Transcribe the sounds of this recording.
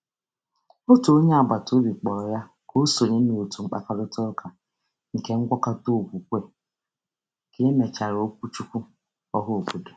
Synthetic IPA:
o˦tu˨o˦ɲe˦a˨ba˨to˦bi˨k͡pɔ˨ɾɔ˨ja˦ | ko˦so˨ne˦i˨o˨tu˨ŋ͡m̩˦k͡pa̰˦ka˦dʊ˦tʊ˦ɾʊ˦kʰa˨ | ŋ̩˨ke˦ŋ̩˦ɡʷɔ˦ka˦to˦˨ɡʷu˨kʷe˦˨ | ke˨˦e˦me˨t͡ʃa˨ɾo˦k̚ʷu˦t͡ʃu˦kʷu˦ | ɔ˦ɦʊ˦o˨bu˨de˨

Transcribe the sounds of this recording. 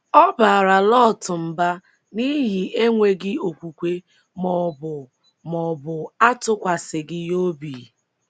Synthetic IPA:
ɔ˦ba˨ɾa˨lɔ˦˨tʊ˨m̩˨ba˦ | ni˦ɦɪ˨ʔe˦ŋʷe˦ɡɪ˦o˨kʷu˨kʷe˦ | mɔ˨bʊ˨ | mɔ˨bʊ˨a˦tʊ˦kʷa˨sɪ˨ɡɪ˦jo˦bi˨

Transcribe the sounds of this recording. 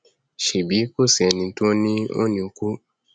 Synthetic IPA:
ʃe˨bi˨˦ko˦˨si˨ɛ˨nĩ˧˦tu˦nĩ˦o̰˦nĩ˧o˧ku˦

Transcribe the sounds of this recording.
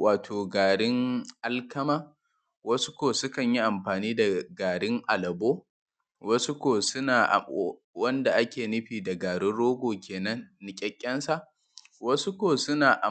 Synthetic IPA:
waː˨tʰoː˨ɡaː˨ɽɪ˦ŋʔa˦lkɐ˦maː˦ | wɐ˦sʊ̥˦kʷoː˨sʊ˦kɐ˨ɲji˦ʔa˨mɸaː˨niː˦da˨ɡaː˨ɽɪ˦ŋʔa˨lɐ˨boː˦ | wɐ˦su˦kʷoː˨sʊ˦naː˨ʔ | wɐ˦nda˨ʔa˦kʲeː˨nɪ˦ɸiː˨da˨ɡaː˨ɽɪ˦nɽoː˦ɡʷoː˨kʲeː˨nɐ˦nːɪ˨kʲʼɐ˦kʲʼːɐ˦nsa˦˨ʔ | wɐ˦su˦kʷoː˨sʊ˦naː˨ʔa˨

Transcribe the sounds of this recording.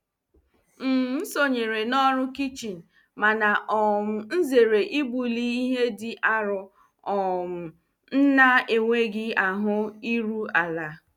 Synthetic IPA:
m̩˨m̩˦so˨ɲe˨ɾe˨nɔ˦ɾʊ˦ki˦t͡ʃi˨n̩˨ | ma˨na˨ʔɔ˨m̩˨n̩˦ze˨ɾe˨ʔi˦bu˨li˦i˦ɦe˦dɪ˨ʔa˦ɾʊ˦ | ɔ˨m̩˨ | n̩˦na˦e˨ŋʷe˦ɡɪ˦a˨ɦʊ˦i˦ɾu˦a˨la˨˦

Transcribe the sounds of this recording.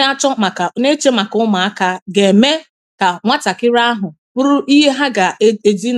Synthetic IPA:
a˦t͡ʃɔ˦ma˨ka˨˦ne˦t͡ʃe˦ma˨kʊ˦ma˨a˦ka˦ɡe˨me˦ | ka˨ŋʷa˦ta˨kɪ˦ɾa˦a˦ɦʊ˨ | pʊ˦ɾʊ˦ʔi˦ɦe˦ɦa˦ɡa˨˦e˨di˦n

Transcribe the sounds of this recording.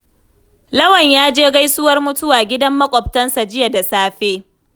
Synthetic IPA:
lɐ˦wɐ˨ɲjaː˦d͡ʒeː˦ɡa˦jsʊ˦wɐ˦rmʊ˦tʊ˦waː˨ɡʲɪ˦dɐ˦mːɐ˦kʷʼɔ˨p̚tɐ˦nsa˨d͡ʒɪ˦ja˨da˨saː˦ɸeː˦

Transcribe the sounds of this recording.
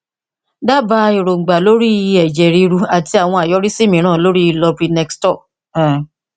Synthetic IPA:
da˦ba˧i˨ɾo˨ŋ͡m̩˨ɡ͡ba˨lo˦ɾi˦i˧ɛ˨d͡ʒɛ˨ɾi˧ɾu˧a˨ti˧˦a˨w̃ɔ̃˧a˨jɔ˨˦ɾi˦si˦mĩ˨˦ɾ̃ãː˦˨lo˦ɾi˦i˧lɔ˧pɾi˧˦nɛ˧kstɔ˦˨

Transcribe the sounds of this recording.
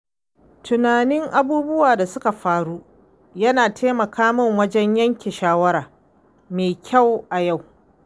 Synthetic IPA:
tʊ˨naː˨nɪ˦ŋʔa˦buː˦bʊ˦waː˨da˨sʊ˦ka˨ɸaː˨ɽu˦ | jɐ˦naː˨tʰeː˦mɐ˨kʰaː˦mʊ˦˨ŋwɐ˦d͡ʒɛ˦ɲjɐ˦ŋkʲeː˨ʃaː˦wɐ˦ɾaː˨ | meː˨kʲʰa˦˨wʔa˨ja˦˨w

